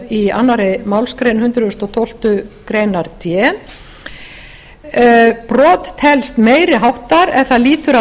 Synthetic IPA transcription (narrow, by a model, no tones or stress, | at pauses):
ia̰nːaɾɪmawlskɾejnhʏnt̪ɾʏst̪ɔt̪ʰowl̥t̪ʏkɾeːjnaɾt̪ʰjɛ | pɾɔːt̪ːhɛlst̪meːjɾɪɦawht̪aɾɛθaðliːt̪ʏɾa